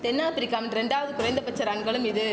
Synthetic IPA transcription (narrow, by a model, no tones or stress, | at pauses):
t̪ɛnːaːpɪɾɪkːaːmɐnɾɛɳɖaːʋɐðɯkʊɾɐjnd̪ɐpɐt͡ʃːɐɾɐɳɡɐɭɯmɪðɯ